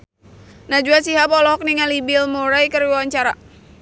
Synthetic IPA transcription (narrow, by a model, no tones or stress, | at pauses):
nad͡ʒuasiɦapɔlɔɦɔk̚niŋalibɪlmoɾajkəɾiwawaɲt͡ʃaɾa